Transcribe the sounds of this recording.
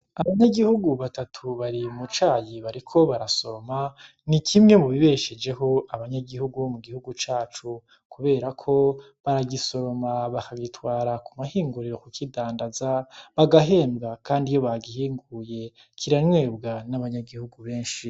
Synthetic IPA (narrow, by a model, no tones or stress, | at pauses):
aβaɲaɡihuɡuβatatʰuβaɾimut͡ʃaːjiβaɾikʰo̞βaɾaso̞oma | nikʰimŋe̞muβiβe̞ʃe̞d͡ʒe̞ɦo̞aβaɲaɡihuɡuomuɡihuɡut͡ʃaːt͡ʃu | kuβe̞ːɾakʰo̞ | βaɾaɡiso̞ɾo̞maβakaɡitwaːɾakumahiːŋɡuɾiɾo̞kukidaːndazaβaɡaɦe̞ːmbɡakʰaːndijo̞βaɡihiːŋɡuje̞ | kʰiɾanwe̞ːbɡanaβaɲaɡihuɡuβe̞ːnʃi